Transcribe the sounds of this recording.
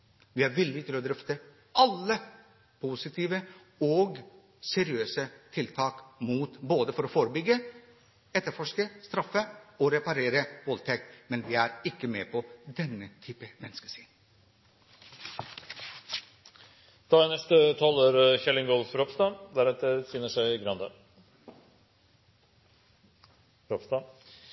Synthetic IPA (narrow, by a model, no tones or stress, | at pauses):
ʋɪæɾʋɪlːɪt̪ʰɪlɔd̪ɾœft̪ə | ʔɑlːə | pʰusɪt̪ʰiːʋə | ɔɡ | sɛɾɪøːsət̪ʰɪlt̪ʰɑːkmuːt̪boːd̪əfɔɾɔfoːɾəbʏɡːə | ɛt̪ːəɾfɔʂkəst̪ɾɑfːəɔɾɛpɑɾeːɾəʋɔlt̪ʰɛkt̪mɛnʋɪæɾɪkːəmeːpʰɔd̪ɛnːət̪ʰyːpəmɛnːəskəʂiːn | t̪ʰɑːɛnɛst̪ət̪ʰɑːloːɾçɛlɪŋɡɔlfɾɔpst̪ɑd̪æɾɑt̪̚d̪ɛsiːnəʂæɪɡɾɑnd̪ɑ | ɾɔpst̪ɑ